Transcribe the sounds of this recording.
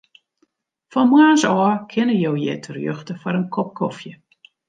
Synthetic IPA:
fɔmwaːnsɔːkʰɪnəjowjɪ̰ːtʰərjø̰xtəfwɔɾənkʰɔp̚kʰɔfjə

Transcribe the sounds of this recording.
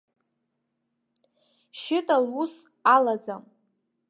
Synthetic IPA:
ʃɪtʼalus | alad͡zam

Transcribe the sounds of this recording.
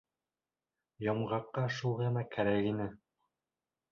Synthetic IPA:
jɑmʁɑqːɑʃulˠʁɤ̆nɑkæɾækinɘ

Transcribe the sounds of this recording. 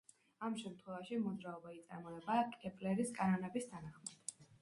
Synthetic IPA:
amʃɛmt̪ʰχwɛvaʃimɔd̪zɾaɔbait̪sʼaɾmɔɛbaːkʼɛpʼlɛɾiskʼanɔnɛbist̪ʰanaχmad̪̥

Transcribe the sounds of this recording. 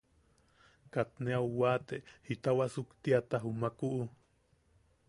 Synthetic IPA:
kat̪̚neawːaːt̪ehit̪awaʔsukt̪iat̪aɦumakuʔː

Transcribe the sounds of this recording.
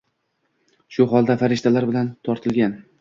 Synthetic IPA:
ʃʊɦɒlˠd̪afaɾɪʃt̪alaɾbɪlant̪ʰɒɾt̪ʰɪlɡʲan

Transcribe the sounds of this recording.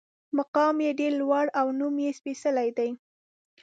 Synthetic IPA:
maqɑmjeɖeɾlwaɽawnumjespisəlajd̪aj

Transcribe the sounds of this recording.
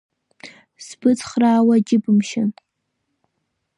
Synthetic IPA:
sbɨt͡sχraːwɐd͡ʒʲɪbɨmʃɪn

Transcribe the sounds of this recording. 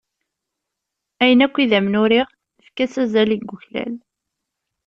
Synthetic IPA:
æjənækʷːiðæmnʊɾiʁ | fkæsæzæliɡːʊçlæ̰l

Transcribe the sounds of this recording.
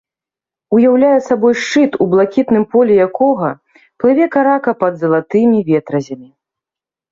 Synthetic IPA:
ujawlʲajɛsabɔjʂt͡ʂɨt̪ublˠakʲit̪nɨmpɔlʲɛjakɔɣɐ | plˠɨvʲɛkaɾakɐpɐd̪zɐlˠat̪ɨmʲivʲɛt̪ɾɐzʲɐmʲi

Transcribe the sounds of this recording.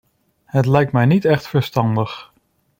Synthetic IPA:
hətlɛjk̚tmɛjnitɛχtfəɹstɑndəχ

